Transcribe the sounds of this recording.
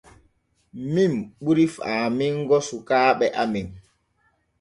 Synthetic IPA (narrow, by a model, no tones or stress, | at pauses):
mimɓuɾifaːmiŋɡɔsukaːɓɛʔamiŋ